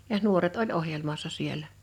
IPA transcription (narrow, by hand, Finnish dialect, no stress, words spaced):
jɑh̆ nuoret olʲ ohjelmɑsːɑ sielˑæ